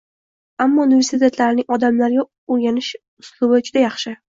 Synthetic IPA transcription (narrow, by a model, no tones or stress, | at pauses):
amːɒʊnivʲe̞ɾsɪt̪ʰe̞t̪ʰlaɾɪnɪŋʲɒd̪amlaɾɡʲa | oɾɡʲanɪʃ | ʊslˠʊbad͡ʒʊd̪ajɑχʃɪ